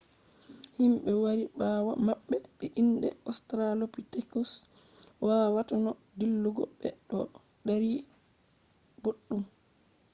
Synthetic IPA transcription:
himɓɛwaɾibaːwamaɓːɛɓɛʔinɗɛ̰ɔstɾalopitɛkɔs | wawatanɔ | dilːuɡɔ̰ɓːɛ̰ɗɔ | ɗaɾi | boɗːum

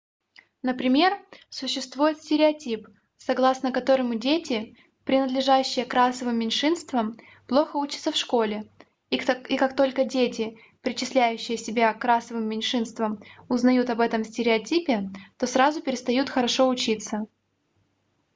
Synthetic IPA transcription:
nəpɾʲɪmʲe̞rsʊɕːɪst̪vujɪt̪sʲtʲɪɾʲɪɐtʲip | sɐɡlˠasnəkɐt̪o̞ɾɨmʊdʲetʲɪ | pɾʲɪnəd̪lʲɪʐaɕːɪjəkɾasəvɨmːʲɪnʲʂɨnst̪vəm | plˠo̞xəut͡ɕɪ̥t̪səfʂkolʲɪ | ikakt̪o̞lʲkədʲetʲɪ | pɾʲɪt͡ɕɪsʲlʲæjʉɕːɪjəsʲɪbʲakːɾasəvɨmːʲɪnʲʂɨnst̪vəmʊznɐjut̪ɐbɛt̪əmsʲtʲɪɾʲɪɐtʲipʲɪt̪o̞sɾazʊpʲɪɾʲɪst̪ɐjut̪xəɾɐʂo̞ʊt͡ɕit̪sə

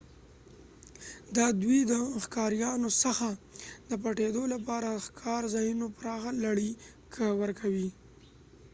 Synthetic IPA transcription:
d̪ɑd̪wid̪əxkɑɾjɑnosəxad̪əp̬aʈed̪olapɑɾaəxkʰɑɾzainopəɾɑɣalaɽi | kʰawəɾkʰawi

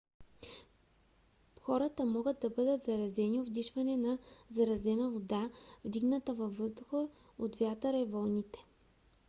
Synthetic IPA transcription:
xɔɾɐt̪əmɔɡət̪̚d̪ɐbɤd̪ət̪zɐɾɐzɛniobd̪iʃvɐnɛnɐzɐɾɐzɛnəvod̪avd̪iɡnət̪əvɐvːɤzd̪ʊxə | ot̪vʲjat̪əɾəvɔlˠnʲit̪ɛ̥

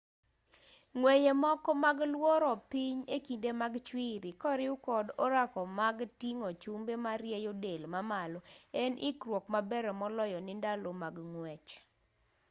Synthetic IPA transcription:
ŋwɛjemɔkɔmaɡlwɔɾɔpiɲekindemaɡt͡ʃwiɾɪkɔɾɪʊkɔdɔɾakɔmaɡtiŋot͡ʃumbemaɾjɛjodelmamalɔɛnʔikɾwɔkmabɛɾɛmɔlɔjɔnɪndalomaɡŋwɛt͡ʃ

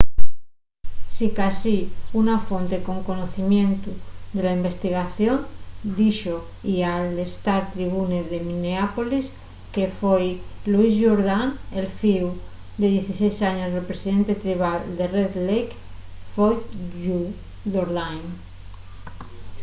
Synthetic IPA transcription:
sikasiunafont̪e̞ko̞ŋko̞noθimjẽ̞nt̪ud̪e̞laimbe̞st̪iɣ̞aθjond̪iʃo | ialest̪aɾt̪ɾiβuneðemĩneapolis | ke̞fejluizʝoɾðaŋelfiw | d̪eð̞je̞θisejsaɲo̞zðelpɾesiðe̞nt̪et̪ɾiβ̞ald̪e̞reðlejk | fojðu | ðoɾðajn

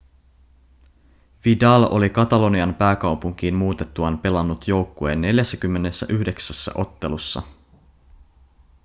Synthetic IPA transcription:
ʋidɑlo̞̰likɑt̪ɑlo̞niɑmpæːkɑwpuŋk̟iːnmuːt̪et̪ːuɑnpe̞lɑnːut̪jo̞wkːoe̞nːe̞ljæsːæk̟ymːe̞nesːæ̰ʔyhde̞ksæsːæ̰ʔo̞t̪ːe̞lusːɑ̰

